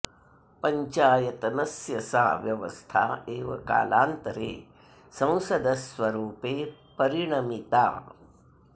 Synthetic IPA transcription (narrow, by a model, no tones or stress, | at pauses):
pɐɲt͡ʃaːjɐt̪ɐnɐsjɐsaːʋjɐʋɐ̰st̪ʰa̰ːeːʋɐ̰ka̰ːla̰ːnt̪ɐɾḛː | sɐ̃w̃sɐd̪ɐsʋɐɾuːpeːpɐɾiɳɐmit̪a̰ː